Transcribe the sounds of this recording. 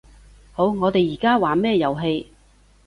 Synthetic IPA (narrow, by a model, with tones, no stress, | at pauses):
ho˨˧˥wŋɔː˨˧t̪e˨jiː˨˩kaː˥waː˨mɛː˥˧jɐ˨wɦe˧j